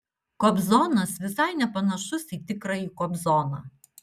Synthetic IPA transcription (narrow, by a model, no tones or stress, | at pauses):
kɔbzɔːnɐsʋʲɪsɐɪnʲɛpɐnɐʃʊsiːt̪ʲɪkɾɐiːkɔbzɔːnɑ̰ː